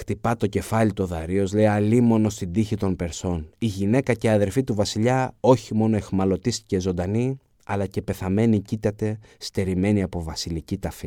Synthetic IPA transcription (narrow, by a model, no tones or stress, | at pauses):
xt̪ipɐt̪o̞ce̞fɐlit̪o̞ðɐɾio̞zle̞iɐlimo̞no̞st̪ind̪içit̪o̞mpe̞ɾso̞niʝine̞kɐce̞ɐðe̞ɾfit̪uvɐsiʎɐo̞çimo̞no̞e̞xmɐlo̞t̪ist̪i̥cezo̞nd̪ɐni | ɐlɐce̞pe̞θɐme̞nicit̪ɐt̪e̞ | st̪e̞ɾime̞niɐpo̞vɐsilicit̪ɐfi